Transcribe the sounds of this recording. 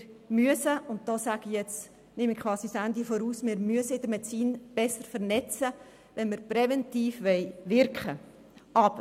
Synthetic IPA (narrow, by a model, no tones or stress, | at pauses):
myəsəʊnt̚d̥ɔːsæɡ̥ijɛt͡s | nɪmɪkχʋɑːsisænd̪ifoɾuːsmɪɾmyəsəɪdəɾmɛt͡siːnb̥ɛsəɾfəɾnɛt͡sə | ʋɛnməɾpɾɛvɛntiːfʋɛɪʋɪɾkχə | ɑp